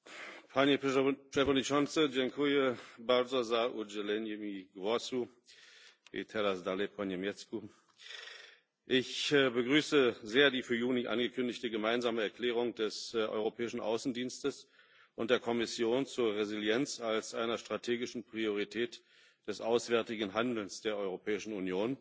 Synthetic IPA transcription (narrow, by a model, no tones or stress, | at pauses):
pʰanjɛt͡ʃɛfɔniʃɔnsəd͡ʒɛŋkʰujəbalzozaʔud͡ʒɛlɛnjmiɡvɔsu | ḛtʰɛlasdalepʰɔnjamjɛt͡sku | ʔɪçbəɡʁyːsəzeːɐdiːfyːɐjuːniʔa̰nɡəkʰʏndɪçtəɡəmaɪnzaːməɛɐkʰl̥ɛːʁ̞ʊŋd̥ɛsʔɔ̰ʏʁopʰɛːɪʃn̩ʔa̰ʊsn̩diːnstəs | ʔʊnt̚d̥eːɐkʰɔmɪsjoːnt͡suːɐʁezɪljɛnt͡salsʔaɪnɐʃtʁ̥atʰeːɡɪʃn̩pʁ̥ioʁitʰɛːt | d̥ɛsʔaʊsv̥ɛɐtɪɡŋ̩ɦandl̩nsd̥eːɐʔɔʏʁopʰɛːɪʃn̩unjoːn